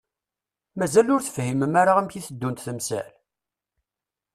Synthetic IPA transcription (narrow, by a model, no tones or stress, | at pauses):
mæzælʊɾθə̥fhiməmaɾaʁæmçiθəd̪ːunt̪θəmsæ̰l